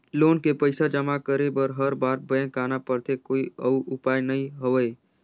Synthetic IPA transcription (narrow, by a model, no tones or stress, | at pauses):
loːnkepəɪsad͡ʒəmakəɾebəɾɦəɾbaːɾbəə̃kaːnapəɾt̪ekoːiəuʔʊpaːjnɐɦĩɦəʋəe